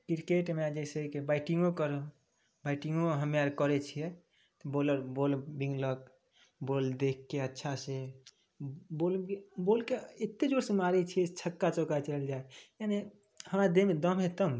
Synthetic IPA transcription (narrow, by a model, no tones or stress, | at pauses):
kiɾkeʈmead͡ʒeseikebaɪʈiŋɡokəɾo | baɪʈiŋɡoɦəmjaɾkəɾɛt͡ʃʰijɛ | t̪ɔboləɾbolbiŋɡlək̚ | bold̪ekʰːeətːʃʰase | bolbolkeet̪ːed͡ʒoɾsemaɾet͡ʃʰiɛt͡ʃʰəkːat͡ʃokat͡ʃəld͡ʒaejane | həmɾad̪emed̪əmɦet̪əm